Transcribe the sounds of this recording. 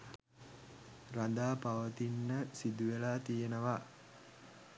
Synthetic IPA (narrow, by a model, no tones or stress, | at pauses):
rand̪aːpaʋət̪inːəsid̪uʋelaːt̪ijenəʋa